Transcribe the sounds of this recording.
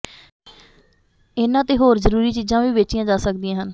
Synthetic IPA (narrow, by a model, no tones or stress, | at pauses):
ɪnãːt̪eːɦoːɾzəɾuːɾiːt͡ʃiːzãːʋiːʋeːt͡ʃɪjãːd͡ʒaːsək̚d̪iãːɦən